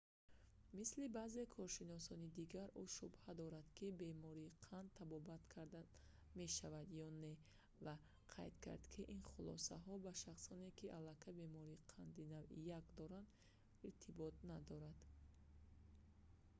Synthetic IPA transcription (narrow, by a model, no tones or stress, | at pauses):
mislibaːze̞kʰɔɾʃinɔsɔnid̪iɡaɾuʃubhad̪ɔɾad̪kʰibe̞mɔɾiːqʰand̪̚t̪ʰːabɔbat̪kʰaɾd̪a | me̞ʃavad̪jɔne̞ | va | qʰa̰jd̪kʰa̰ɾd̪kʰiʔinχulɔ̰saɦɔbaʃaχsɔne̞kiʔalːakʰabe̞mɔɾiːqʰand̪inavḭjakd̪ɔɾand̪ | iɾt̪ʰibɔt̪̚nad̪ɔɾad̪̥